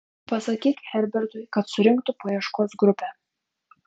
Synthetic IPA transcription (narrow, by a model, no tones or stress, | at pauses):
pɑsɑkʲikʲhæɾbʲɪɾt̪ʊjkɑt̪sʊɾʲɪŋkt̪ʊpʰɔjɛʃkosɡɾʊpʲɛ